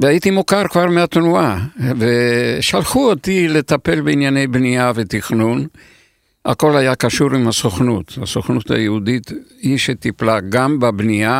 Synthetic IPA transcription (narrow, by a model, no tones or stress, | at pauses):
veajit̪imokaʁkvaʁmeat̪nuaveʃalχuo̞tile̞t̪ape̞lbeinjane̞jbniave̞t̪iχnun | a̰ko̞lajakaʃuʁimhasoχnut̪ha̰soχnutha̰jeud̪it̪hiʃet̪iplaɡambabnia